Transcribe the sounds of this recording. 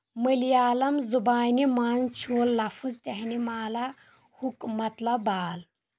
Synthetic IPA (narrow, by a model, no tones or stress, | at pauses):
məljaːlɐmzubaːjnimaːnt͡ʃʰuːlːɐfuzt̪eɦnimaːla | hukmɐt̪lɐbaːl